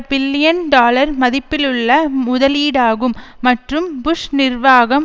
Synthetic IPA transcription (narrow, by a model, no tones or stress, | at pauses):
bɪlːɪjɐnɖaːlɐɾmɐðɪpːɪlɯɭːɐmʊðɐliːɽaːɣɯmːɐʈrɯmbʊʂnɪrʋaːɣɐm